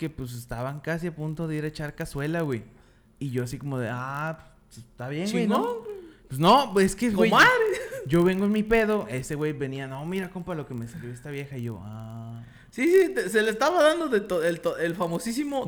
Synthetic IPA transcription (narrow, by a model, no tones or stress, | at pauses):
kepwes̬est̪aβaŋkasiapunt̪o̞ðe̞iɾet͡ʃaɾkaswe̞lawej | iʝo̞asiko̞mo̞ðḛaps | est̪aβje̞ŋwejnowpwesnoe̞skewwejaðɾeʝo̞βeŋɡoenmipe̞ðo̞e̞se̞ɣwe̞jβe̞niano̞miɾakompɾalo̞ke̞me̞saljoest̪aβje̞xaiʝo̞a | sisit̪eselest̪aβaðand̪oðet̪oelt̪oelfamosisimo